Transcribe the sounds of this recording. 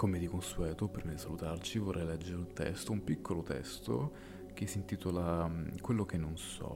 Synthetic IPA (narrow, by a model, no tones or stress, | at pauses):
komed̪ikonsuɛːt̪opɾimad̪isalut̪art͡ʃivorːɛjlɛd͡ʒːeɾeunt̪ɛ̰st̪oumpikʰːolot̪ɛ̰st̪o̰ | k̟esːint̪iːt̪olakwelːok̟enːonsɔ̰